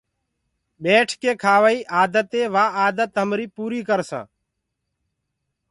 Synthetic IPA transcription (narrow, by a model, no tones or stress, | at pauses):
ɓeːʈʰkeːkʰaːʋəiːʔaːd̪ət̪eːʋaːaːd̪ət̪ɦəmɾiːpuːɾiːkəɾsã̰ː